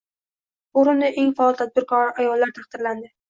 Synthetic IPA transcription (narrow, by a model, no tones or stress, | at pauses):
ʊɾʊnnɪʔeŋfaɒlˠt̪ʰad̪̚bɪɾqʰɒɾaʔajɒlːaɾt̪ʰaχd̪̥ɪɾland̪ɪ